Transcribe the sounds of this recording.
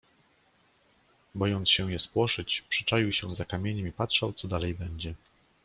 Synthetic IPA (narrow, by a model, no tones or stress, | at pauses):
bɔjɔnt̪sɕɛ̃jɛspwɔʂɘt͡ɕpʂɘ̥t͡ʂajiwɕɛzakamʲjeɲɛmipatʂawt̪sɔd̪alɛjbɛɲd͡ʑɛ